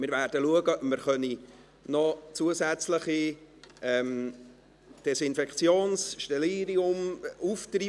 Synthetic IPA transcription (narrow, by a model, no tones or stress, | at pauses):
mɪɾvæːrd̥əluəɡəməɾχœni | nɔt͡suəsæt͡sləχi | ɛm | d̥ɛsɪnfɛkt͡sjoːnsʃtɛliːɾiʊmuft̪ri